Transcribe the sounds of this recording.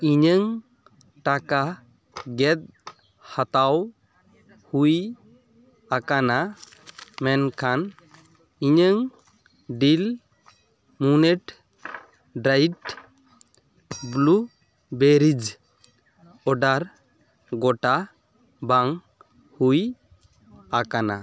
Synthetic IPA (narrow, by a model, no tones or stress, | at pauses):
iɲəŋ | ʈaka | ɡɛt̪̚ | hat̪aw | huj | akana | mɛnkʰan | iɲəŋ | ɖil | munɛʈ | ɖɾajʈ | blu | beɾid͡ʒ | ɔɖaɾ | ɡɔʈa | baŋ | huj | akana̰